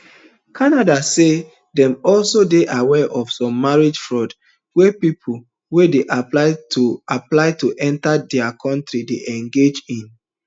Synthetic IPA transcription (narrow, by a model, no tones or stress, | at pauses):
kʰanadase | dɛ̃mɔlsodeʔawɛʔɔfsɔ̃mːaɹid͡ʒfɹɔd | wepipʰol̩ | wedeʔaplaɪtʰuaplaɪtoʔɛ̃ntadɛakʰɔ̃ntɹideʔɛ̃ŋɡed͡ʒĩn